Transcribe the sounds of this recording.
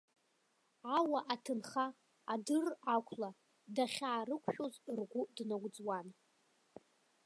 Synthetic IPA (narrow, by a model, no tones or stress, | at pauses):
awaʔatʰɨnχa | adɨrakʷʰla | daχʲaːrɨkʷʰħᶣozrɡʷʊdnaɡʷd͡zwan